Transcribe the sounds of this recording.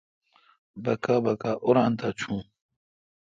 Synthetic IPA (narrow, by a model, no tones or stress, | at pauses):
bɐkabɐkaʔʊɾaːnt̪ʰat͡ɕʰũː